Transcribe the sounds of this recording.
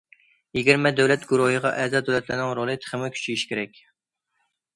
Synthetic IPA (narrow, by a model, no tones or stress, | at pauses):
jeɡʲiɾmɛd̪ɛwlɛt̪ɡuɾuɦəʁɑʔɛzɑd̪ɛwlɛt̪lɪnɪŋɾolˠɨt̪ʰə̥χəmɪkʲʰy̥t͡ʃʰijiʃkʲʰeɾɛkʲ